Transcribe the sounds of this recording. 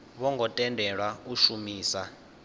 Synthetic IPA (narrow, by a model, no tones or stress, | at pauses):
βɔŋɡɔtʼɛndʱɛɺwauʃumiːsa